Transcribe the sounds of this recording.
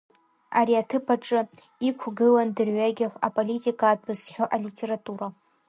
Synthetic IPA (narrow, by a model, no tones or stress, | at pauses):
aɾiatʰɨpʰaʈ͡ʂʼɨikʷʰɡɨlandɨrʕʷaɡʲɪχʷapʼolitʼikʼaːdbɨsħᶣo̞ʔalitʲʰe̞ɾatʼuɾa